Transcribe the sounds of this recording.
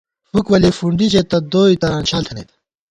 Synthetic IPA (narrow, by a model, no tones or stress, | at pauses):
hukʋɐlefuɳɖit͡ɕet̪ɐd̪oːit̪ɐɾaːnɕʰaːlt̪ʰɐnḛːt̪ʰ